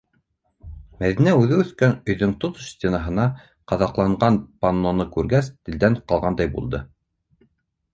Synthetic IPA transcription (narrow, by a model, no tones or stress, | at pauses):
mæðinæʉðɘʉθkænɵ̆jðɵŋt̪ot̪ʃt̪ʲenɑɦɤ̆nɑ | qɑðɑqlˠɑɴɢɑnpanːonɤkʉɾɡæst̪ɘ̆ld̪æɴqɑlˠʁɑnd̪ɑjbṵlˠd̪ɤ